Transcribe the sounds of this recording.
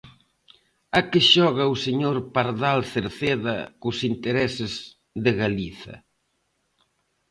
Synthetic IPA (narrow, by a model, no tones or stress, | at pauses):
akɪʃɔɣɐuseɲoɾpaɾðalθeɾθeðɐkʊsint̪eɾɛsɪz | ðɪɣaliθɐ̰